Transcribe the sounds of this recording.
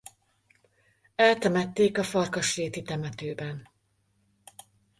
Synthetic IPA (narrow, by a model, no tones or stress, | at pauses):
ɛlt̪ɛmɛt̪ːeːkɒfɒrkɒʃreːt̪it̪ɛmɛt̪øːbɛn